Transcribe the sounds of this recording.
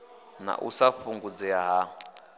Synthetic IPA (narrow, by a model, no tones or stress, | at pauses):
na̰ʔṵsaɸuŋɡud͡zɛaɦa